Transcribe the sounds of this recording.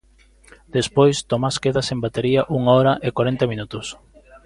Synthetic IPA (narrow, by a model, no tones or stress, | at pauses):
d̪̥espojst̪omaskeðɐsẽmbat̪eɾiaʔuŋaɔɾɐʔekwaɾent̪ɐmĩnut̪ʊs